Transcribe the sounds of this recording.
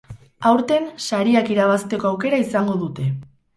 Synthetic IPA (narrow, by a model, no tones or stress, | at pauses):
awɾt̪e̞nsaɾiakiɾaβ̞ast̪e̞ko̞awke̞ɾaisaŋɡo̞ðut̪e̞